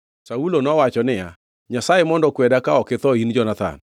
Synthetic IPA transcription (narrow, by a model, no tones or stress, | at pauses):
saulonɔwat͡ʃɔnɪja̰ | ɲasaemɔndɔkwɛdakaɔket̪ɔind͡ʒɔnat̪a̰n